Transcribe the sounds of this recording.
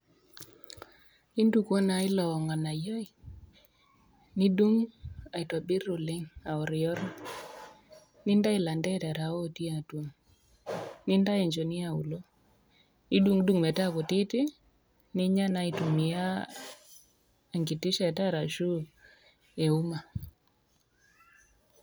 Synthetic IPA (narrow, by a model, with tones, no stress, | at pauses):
i˦ndu˨˦kɔ˦na˨ɪ˦lɔ˨ɔ˨ŋa˨na˨ja˦i˨ | nɪ˦du˦ŋa˨i˨twa˨bɪ˦ɾo˨lɪ˦ŋa˨ɔ˨ɾɪ˨jɔ˦ɾa˦ | nɪ˦nda˦ɪ˨la˨ndɛ˦ta˨ɾa˨ɔ˦ti˦a˨two˨m | nɪ˦nda˦e˨ɲd͡ʒo˨nɪ˦a˨ṵ˨lo˦ | ni˦du˦ŋdu˦ŋmɛ˨ta˦ko˨tɪ˦tɪ˦ | nɪ˦ɲa˦na˦i˨tu˨mɪ˨a˦˨ | ŋɡɪ˨tɪ˦ʃa˨ta˦ɾa˨ʃu˦ | e˨u˦ma˨